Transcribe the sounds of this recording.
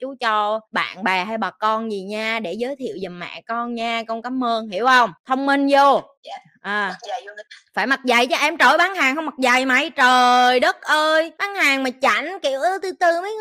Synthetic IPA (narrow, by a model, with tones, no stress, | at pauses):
t͡ɕu˨˦t͡ɕɔ˧ɓa̰ː˧˨nɓaː˨˩ɦa˧jɓaː˨˩kɔ˧nzi˨˩ɲaː˧ɗe˧˩zəː˨˦jt̪ʰḭ˧˨əwzə˨˩mma̰ː˧˨kɔ˧nɲaː˧kɔ˧nkaː˨˦mʔəː˧nhḭ˧˩əwhə˧wŋ͡mt̪ʰə˧wŋ͡mmi˧nzo˧ | ʔaː˨˩ | faː˧˩jmə˨˩t̚za̰˨˩jt͡ɕɔ˧ʔɛ˧mt͡ɕo˧˩jɓaː˨˦nhaː˨˩ŋhə˧wŋ͡ma˨˩t̚za˨˩jma˨˩˦jt͡ɕəː˨˩jɗə˦˥t̚ʔəː˧jɓaː˨˦nhaː˨˩ŋmaː˨˩t͡ɕa̰˧˩˦jŋ̟ki˧˨əwʔəː˧˦t̪ɨ˧t̪ɨ˧mə˨˦j